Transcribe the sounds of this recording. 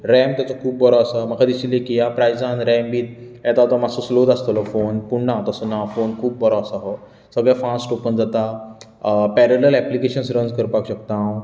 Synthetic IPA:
ɾɛ̃mt̪jat͡sɔkʰuːbːəɾɔasam̤əkʰad̪isilekijapɾajd͡zãnɾɛ̃mbiːt̪jɛt̪aɦt̪ɔmasoslod̪ast̪əlɔfonpuɳnãt̪əsənafonkʰuːb̚bəɾɔasaɦɔ | səɡɭjafasʈopənd͡zat̪a | pɛɾələlɛplikeɕənsɾənd͡zkəɾpakɕək̚t̪ãw

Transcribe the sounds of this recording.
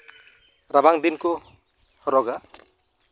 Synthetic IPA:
ɾabaŋd̪inku | hɔɾɔɡa

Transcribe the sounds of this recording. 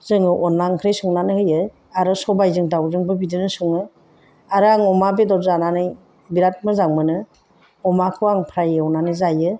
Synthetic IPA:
z̥ɯŋɯʔɔnːaŋkʰɾejsɔŋnanɯhɯjɯ | aɾɯsɔbajzɯŋdawzɯŋbɯbidɯnɯsuŋɯ | aɾɯaŋɔmabedɔzananɯj | biɾat̚mɯzaŋmɯnɯ | ɔmakʰɯwaŋpʰɾajɯɔwnanɯjzajɯ

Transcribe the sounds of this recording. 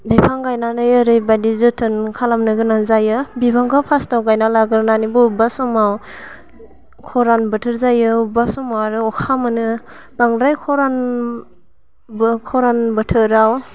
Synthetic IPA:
dapʰaŋɡajnanɯjɯɾɯjbadizɯtʰɯnkʰalamnɯɡɯnaŋzajɯbibaŋɡʰapʰastawɡajnalaɡɯɾnanibɔbasɔmaw | kʰɔɾanbɯtʰɯɾzajɯbasɔmawaɾɯɔkʰamɯnɯ | b̥aŋɾajkʰɔɾan | bkʰɔɾanbɯtʰɯɾaw

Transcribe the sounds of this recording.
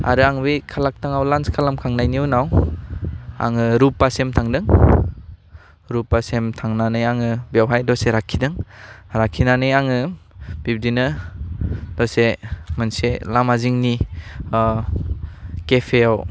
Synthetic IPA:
a̰ɾɯaŋbikʰalak̚taŋawlanskʰalamkʰaŋnajniunaw | a̰ŋɯɾupːasemtʰaŋdɯŋ | ɾupːasemtʰaŋnanɯjaŋɯbiawɦajdɔseɾakʰːidɯŋɾakʰːinanɯjaŋɯb̥ib̚dinɯ | d̥ɔsemɯnselamaziŋni | kepʰejaw

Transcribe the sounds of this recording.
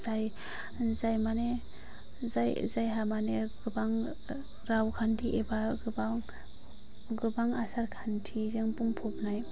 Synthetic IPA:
zaj | zajmane | zajzajɦamaneɡɯbaŋ | ɾawkʰantʰiʔebaɡɯbaŋ | ɡɯbaŋasaɾkʰantʰizeŋpuŋpʰɔp̚naj

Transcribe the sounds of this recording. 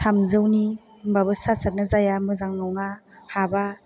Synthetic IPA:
tʰamzɯwni | ŋbabɯsasaɾ̚nɯzajamɯzaŋnawŋahaba

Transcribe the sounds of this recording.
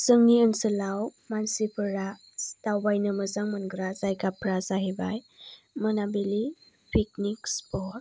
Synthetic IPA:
sɯŋniɯnsəlawmansipʰɯɾa | stawbajnɯmɯzaŋmɯnɡɾazajkapʰɾazaɦebaj | mɯnabili | pʰik̚nikspɔt̚

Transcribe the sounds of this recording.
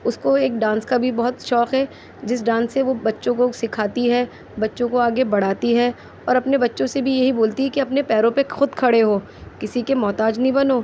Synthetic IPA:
ʊskoeːk̚ɖãːnskabʱibɐɦʊt̪ʃɔːkɦɛː | d͡ʒɪsɖãːnsːeʋobɐtːʃõkosɪkʰaːt̪iɦɛ | bɐtːʃõkoaːɡebɐɽ̤aːt̪iɦɛː | ɔːɾɐpnebɐtːʃõsebʱijɐɦiboːlt̪iɦɛkiɐpnepɛːɾõpexʊd̪kʰɐɽeɦoː | kɪsikemɔːt̪aːd͡ʒnɐɦĩbɐnoː

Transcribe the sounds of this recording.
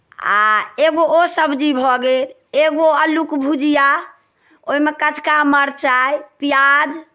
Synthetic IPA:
a̰eɡoosəbd͡ʒibʱɔɡel | eɡoəlukbʱud͡ʒija | oimekət͡ʃʰkaməɾt͡ʃajpijad͡ʒ

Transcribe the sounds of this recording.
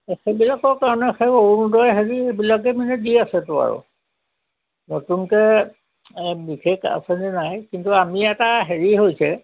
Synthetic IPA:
xebilakɔɹkaɹɔnɛxeoɹundɔjɦeɹiebilak̬ɛmanɛdiasɛtʊa̰ɹṵ | notunkɛ | bikʰeka̰sɛnɛnajkintuamiɛtaɦeɹiɦojsɛ

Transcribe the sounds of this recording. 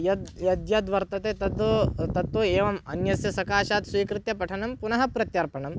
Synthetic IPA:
jɐd̪jɐd̪jɐd̪ʋɐɾt̪ɐt̪eːt̪ɐt̪ot̪ɐt̪ːoːeːʋɐmɐnjɐsjɐsɐkaːʃaːt̪sʋiːkɾɪt̪jɐpɐʈʰɐnɐmpunɐɦɐ̆pɾɐt̪jɐɾpɐɳɐm

